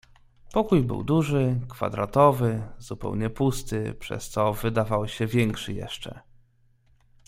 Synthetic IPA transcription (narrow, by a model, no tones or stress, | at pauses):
pɔkujbɘ̰wd̪uʐɘkfa̰d̪ɾat̪ɔvɘzupɛ̰wɲɛpust̪ɘpʂɛ̰st̪sɔvɘd̪avawɕɛvʲjɛŋkʂɘjɛ̰ʂt͡ʂɛ̰